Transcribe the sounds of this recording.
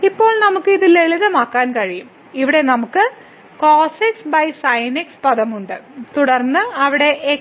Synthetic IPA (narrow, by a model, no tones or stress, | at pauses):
ipːo̞ːɭnɐmukːɨiðileɭiðɐmaːkːaːnkɐɻijum | iʋiɽe̞nɐmukːɨ | koːseksbɐjsɐjnekspɐðɐmuɳɖɨt̪uɽɐrnːɨɐʋiɽe̞ʔː